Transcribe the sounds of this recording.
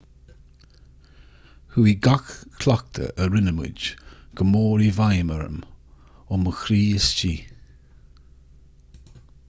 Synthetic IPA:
huiɡakʰlak̚t̪ʰə̰ʔəɾɪnəmɪ̰d͡ʒɡ̥əmoːɾivajməɾə̰m | ʊməxɾiːəst͡ʃiː

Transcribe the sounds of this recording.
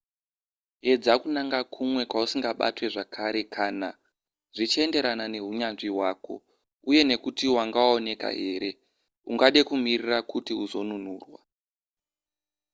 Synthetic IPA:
e̞d͡zakunaŋɡakʰumwe̞kwausiŋɡaɓa̰twe̞ʐakʰaɾe̞kʰaːna | ʐit͡ʃie̞nde̞ɾanane̞ɦuɲanʐiwaːko̞̰ | uje̞ne̞kutiwaŋɡawaone̞ka̰ɦe̞ːɾe̞ | uŋɡaɗe̞kumirirakutiuzo̞nun̤uːrwa̰

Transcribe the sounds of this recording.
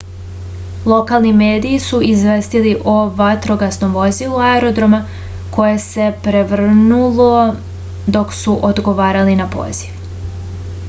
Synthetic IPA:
lˠo̞kalˠnimeːd̪iːsuizʋest̪iliʔoʋat̪ɾo̞ɡasno̞mʋo̞zilˠuaeɾo̞d̪ɾo̞ma | ko̞je̞se̞pɾeʋr̩nulˠo | d̪o̞ksuʔod̪ɡo̞ʋaːɾalinapo̰ːz̥iʋ

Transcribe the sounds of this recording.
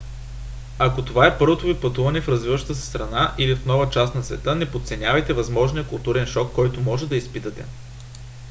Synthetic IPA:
ɐkot̪ovaɛpɤɾvot̪ovipɐt̪uvɐnɛfɾɐzvivəʃt̪ət̪əsɛ̥st̪ɾɐnaʔilifnɔvɐt͡ʃast̪nɐsvɛt̪ɤnɛpot̪sɛnʲavɐjt̪ɛvɐzmɔʒnijəkʊlˠt̪uɾɛnʃɔkːɔjt̪ʊmɔʒɛd̪ɐispit̪ɐt̪ɛ̰

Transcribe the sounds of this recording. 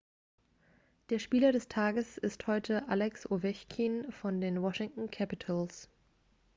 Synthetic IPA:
d̥eːɐʃpiːlɐɾɛstʰaːɡəsɪsthɔʏtʰəʔalɛksʔovɛçkʰiːnfɔndeːnwɔʃɪŋtn̩kʰæpɪtʰals

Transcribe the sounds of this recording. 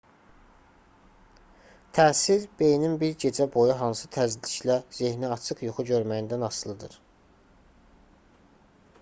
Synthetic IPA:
t̪ʰæːsiɾb̥e̞jninbiɾɟe̞d͡ʒæbo̞juɦɑnsɯ̥t̪ʰæzliçlæze̞hniɑt͡ʃʰɯqjuχuɟøɾmæjind̪ænɑslˠɯd̪ɯɾ

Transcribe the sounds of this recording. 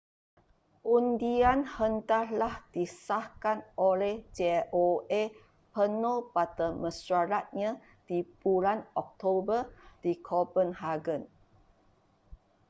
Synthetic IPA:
ʔundianhəntalahd̥isahkanʔolɛhd͡ʒeoe | pənəlpat̪əməsaɾat̪̚ɲã | d̥ibulanɔk̚t̪obəd̥ikʰopənɦaɡən

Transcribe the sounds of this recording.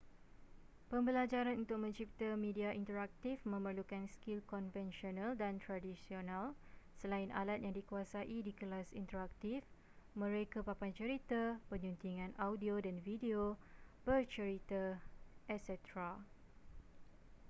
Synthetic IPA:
pəmbəlad͡ʒaɾanunt̪ʊk̚mə̃ɲt͡ʃip̚t̪amĩdiaʔint̪əɾak̚t̪ifmə̃mərlukanskilkɔnvɛnʃionaldant̪ɾadisionalsəlainʔa̰lat̪̚jaŋdikuasaʔidikəlasḭnt̪əɾak̚t̪if | mə̃ɾekapapant͡ʃəɾit̪apəɲunt̪iŋãnʔawdiodanvideobərt͡ʃəɾit̪aʔɛsɛt̪ɾa

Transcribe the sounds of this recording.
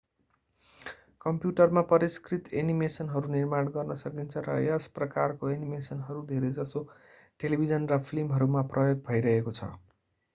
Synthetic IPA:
kʌmpjuʈʌrmapʌɾiskrit̪enimesʌnɦʌɾunirmanɡʌrnʌsʌkint͡sʰʌɾʌ̰jʌsprʌkarkoenimesʌnɦʌɾud̪ʱeɾed͡zʌso | ʈelibʱid͡zʌnrʌpʰilimɦʌɾumaprʌjoɡ̚bʱʌjɾʌɦekot͡sʰʌ̰

